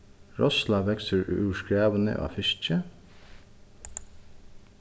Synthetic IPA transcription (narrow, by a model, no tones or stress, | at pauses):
ɹɔslɑʋɛksəɹʉːʃkɹeːʋənə̰ʔɑ̰ːfɪʃt͡ʃə